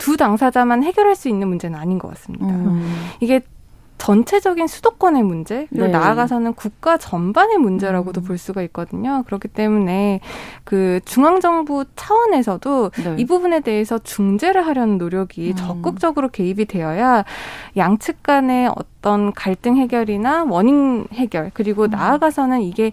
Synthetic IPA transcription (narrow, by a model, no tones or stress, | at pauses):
tudaŋsʰad͡ʑamanɦe̞ɡjʌɾɦaɭs͈uinːɯnmund͡ʑe̞nɯnaɲinɡʌk͈as͈ɯmɲidaiɡe̞ | t͡ɕʌnt͡ɕʰe̞d͡ʑʌɡinsʰudok̚k͈ʌne̞mund͡ʑe̞kɯɾiɡonaːɡasʰʌnɯnkuk̚k͈at͡ɕʌmbane̞mund͡ʑe̞ɾaɡodopoɭs͈uɡaik̚k͈ʌdɯɲokɯɾʌkʰi̥t͈e̞mune̞kɯt͡ɕuŋaŋd͡ʑʌŋbut͡ɕʰawʌne̞sʰʌdoibubune̞de̞esʰʌt͡ɕuŋd͡ʑe̞ɾɯɭɦaɾjʌnɯnːoɾjʌɡit͡ɕʌk͈̚ɯk̚t͡ɕ͈ʌɡɯɾoke̞ibide̞jʌjajaŋt͡ɕʰɯk̚k͈ane̞ʌ̰t͈ʌnkaɭt͈ɯŋɦe̞ɡjʌɾinawʌɲinhe̞ɡjʌɭkɯɾiɡonaːɡasʰʌnɯniɡe̞